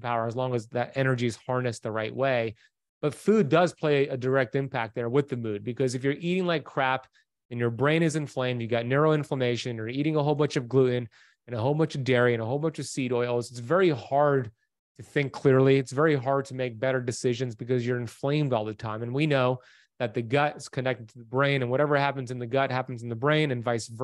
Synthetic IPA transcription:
pʰaʊə˞əzlɔ̃ŋɨzðɨɾɛɾ̃ə˞d͡ʒiz̥hɑɹnɨsðəɹaɪʔweɪ | b̥ʌtfʉdʌz̥pʰl̥eɪɨdə˞ɛk̚tɨ̃mpʰæk̚t̪̚ðə˞wɨðɨmʉd̚bɨkʰʌzɨfjə˞ʔiɾɪ̃ŋlaɪkʰɹ̥æp | ɨ̃njə˞bɹẽɪ̃ɾ̃ɨzɨ̃ɱflẽɪ̃mdjɨɡɑtⁿnɛɹoʊɪ̃ɱfləmeɪʃɨ̃njə˞iɾɪ̃ŋəɦoʊlˠmʌt͡ʃʌvɡlʉʔn̩ | ɨ̃nəɦoʊlˠmʌt͡ʃʌvdɛɹiɨ̃ñəɦoʊlˠmʌt͡ʃʌv̥siɾɔɪl̩ˠzɨtsvɛɹihɑɹd̚ | tʰɨθɪ̃ŋkʰl̥ɪɹlˠiɨtsvɛɹiɦɑɹd̚tʰɨmeɪk̚b̥ɛɾə˞dɨsɪʒɨ̃nzbɨkʌzjə˞ɨ̃ɱflẽɪ̃mdɔlˠðɨtʰãɪ̃mɨ̃nwinoʊ | ðɨt̪̚ðɨɡʌtɨskʰɨ̃nɛk̚tɨd̚tʰɨðɨbɹẽɪ̃nɨ̃nwʌɾɛvə˞hæpɨ̃n̩zɨ̃nðɨɡʌt̚hæpn̩zn̩ðɨbɹẽɪ̃nɨ̃nvaɪsv

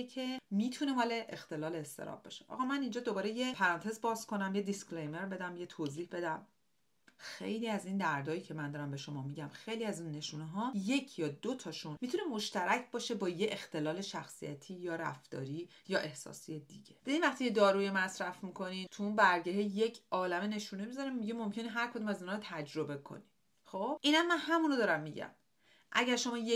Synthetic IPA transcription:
ecʰe̞miːt̪ʰune̞mɒːle̞ʔext̪e̞lɒːle̞ːst̪e̞̰ɾɒ̰b̚bɒ̰ʃe̥ʔɒ̰ːɣɒːmænind͡ʒɒːd̪o̞bɒːɾe̞jepʰæɾɒːnt̪ʰe̞zbɒːzkʰo̞næmjed̪isklejme̞ɾbe̞d̪æmjet̪ʰoziːhbe̞d̪æm | xe̞̰jliːæziːnd̪æɾd̪ɒːjiːcʰe̞mænd̪ɒːɾæmbe̞ʃo̞mɒːmiɟæmxe̞jliæzunːe̞ʃuːneɦɒːje̞cʰjɒːd̪ot̪ʰɒʃunmiːt̪ʰune̞mo̞ʃt̪æɾæcʰbɒːʃe̞bɒːjeʔext̪ʰe̞lɒːle̞ʃæxsḭjæ̰t̪ʰiːjɒːɾæ̰ft̪ɒ̰ːɾiː | jɒːʔe̞hsɒ̰ːsijed̪iɟe̞b̥ed̪iːnvæxt̪ʰiːjed̪ɒːɾuːjemæsɾæfmikʰo̞nint̪ʰuunbæɾɟeɾeje̞cʰʔɒːlæmene̞ʃuːnemizɒɾemiɟemo̞mcʰe̞neɦæɾkʰo̞d̪umæziːnɒːɾot̪ʰæd͡ʒɾo̞be̞kʰo̰ni | xoːb̥ʔiːnænmænɦæmunod̪ɒːɾæmːiɟæ̰m | ʔæɟæɾʃo̞mɒːje

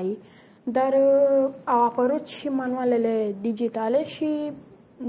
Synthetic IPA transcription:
i | d̪əɾ | aʋapəɾut͡sɕimanʋaleledid͡ʑit̪aleɕi

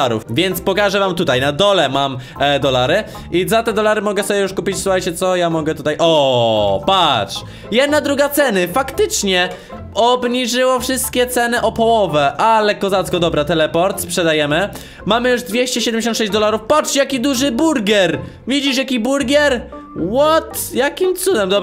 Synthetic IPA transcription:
ɾṵfvʲjɛnt̪spɔkaʐɛvamt̪ut̪ajnad̪ɔlɛmam | d̪ɔlaɾɘ | izat̪ɛd̪ɔlaɾɘmɔɡɛsɔbʲɛjuʂkupʲit͡ɕsuxajt͡ɕɛt̪sɔjamɔɡɛt̪ut̪ajʔɔpatʂ | jɛd̪nad̪ɾuɡat̪sɛnɘfakt̪ɘt͡ʂɲɛ | ɔbɲiʐɘwafʂɨst̪̚kʲɛt̪sɛnɘʔɔpɔwɔvɛʔalɛkɔzat̪skɔd̪ɔbɾat̪ɛlɛpɔɾt̪spʂɛd̪ajɛmɘ | mamɘjuʐd̪vʲjeɕt͡ɕɛɕɛd̪ɛmd͡ʑʲeɕɔ̃t̪ʂɛʑd͡ʑd̪ɔlaɾufpat͡ʂjakʲid̪uʐɘbuɾɡʲɛɾ | vʲid͡ʑiʂ̬jakʲibuɾɡʲɛɾ | wɔt̪jakʲimt̪sud̪ɛmd̪ɔ

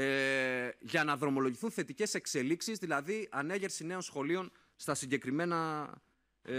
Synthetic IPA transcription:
ʝɐnɐðɾo̞mo̞lo̞ʝiθunθe̞t̪ice̞se̞kse̞liksizðilɐðiʔɐne̞ʝe̞ɾsine̞o̞nsxo̞lio̞n | st̪ɐsiɲɟe̞kɾime̞nɐ

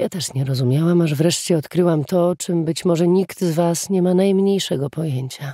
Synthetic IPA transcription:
jat̪ɛʂɲɛɾɔzumʲjawamaʐvɾɛʂt͡ɕɛɔt̪kɾɘwamt̪ɔt͡ʂɘmbɘt͡ɕmɔʐɛɲikt̪zvasɲɛmanajmɲejʂɛɡɔpɔjeɲt͡ɕa

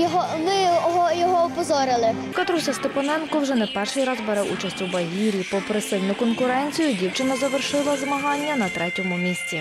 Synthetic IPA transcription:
jɔɦɔmɪɦɔjɔɦɔɔpɔzɔɾɪlˠɪ | kɐt̪ɾusʲɐst̪epɐnɛnkɔwʒɛnɛpɛrʃijɾɑzbɛɾɛwʔut͡ʃɐsʲtʲubɐɦʲiɾʲipɔpɾesɪlʲnʊkɔnkʊɾɛnʲt͡sʲijʊdʲiwt͡ʃɪnɐzɐʋerʃɪlˠɐzmɐɦɑnʲːɐnɐt̪ɾɛtʲɔmʊmʲisʲt͡sʲi

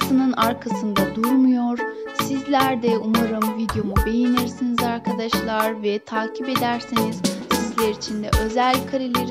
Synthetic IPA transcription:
sɯnɯnaɾkʰasɯnd̪ad̪uɾmujo̞ɾsizlʲæɾd̪ɛumaɾɯmvid̪jo̞mube̞jiniɾsinizaɾkʰad̪aʃlˠaɾvɛt̪ʰaːcʰipe̞d̪æɾsiniz̥sizlʲeɾit͡ʃʰind̪ɛʔø̞zælʲkʰaɾilʲeɾi

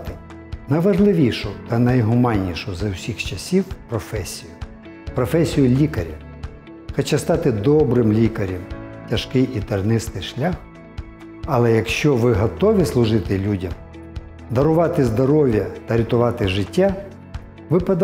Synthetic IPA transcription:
t̪ɪ | nɐjʋɐʒlˠɪʋʲiʃʊt̪ɐnɐjɦʊmɑnʲːiʃʊzɐwsʲixt͡ʃɐsʲiwpɾɔfɛsʲijʊ | pɾɔfɛsʲijʊlʲikɐɾʲi | xɐt͡ʃast̪ɑt̪ɪd̪ɔbɾɪmlʲikɐɾʲimtʲɐʃkɪjʔit̪ɐrnɪst̪ɪjʃlʲax | ɐlˠɛjɐkʃt͡ʃɔʋɪɦɔt̪ɔʋʲislˠʊʒɪt̪ɪlʲudʲɐm | d̪ɐɾʊʋɑt̪ɪzd̪ɔɾɔʋʲjɐt̪ɐɾʲɪt̪ʊʋɑt̪ɪʒɪtʲːa | ʋɪpɐd̪

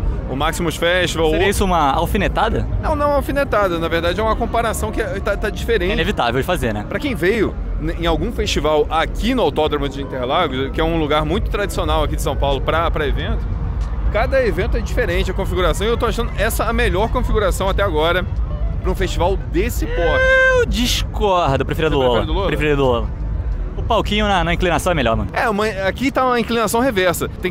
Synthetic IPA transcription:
ʊmaksimʊʃfɛʃt͡ʃivaweɾiɐisʊũmɐa̰wfinet̪ad̪ɐ̰nɐ̃w̃nɐ̃w̃awfinet̪ad̪ɐnɐveɾd̪ad͡ʒɪɛũmɐkõpaɾasɐ̃w̃kɪɛt̪at̪ad͡ʒifeɾẽɛinevit̪a̰vewd͡ʒɪfazeɾnɛ̰pɾɐkẽj̃vejʊ | ẽj̃awɡũfeʃt͡ʃivawakinʊawt̪ɔd̪ɾɐmʊd͡ʒɪĩnt̪eɾlaɡʊkɪɛũluɡaɾmũj̃t̪ʊ̥t̪ɾad͡ʒi̥sionawɐkid͡ʒɪs̬ɐ̃w̃pawlʊpɾɐpɾɐevẽnt̪ʊ̥ | kad̪ɐevẽnt̪ʊɛd͡ʒifeɾẽnt͡ʃɪɐkõfiɡuɾasɐ̃w̃iewt̪owaʃɐ̃nd̪ʊʔɛsɐɐmeʎɔɾkõfiɡuɾasɐ̃w̃at̪ɛaɡɔɾɐpɾʊũfeʃt͡ʃivawd̪esɪpɔt̪ʊd͡ʒiʃkɔhd̪ʊpɾefeɾiudd̪ʊleoɾɐiɐd̪ʊlopɾefeɾid̪ʊlolɐʊpawkĩɲʊnɐnɐĩklinasɐ̃w̃ɛmeʎɔ̰ɾmɐ̃nʊɛũmɐ̃akit̪aũmɐĩklinasɐ̃w̃ɦevɛɾsɐt̪ẽ

